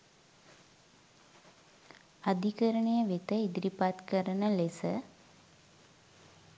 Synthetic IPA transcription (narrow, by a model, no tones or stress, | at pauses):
ad̪ʱikəɾəɳejəʋet̪əid̪ɾipat̪kəɾənəlesə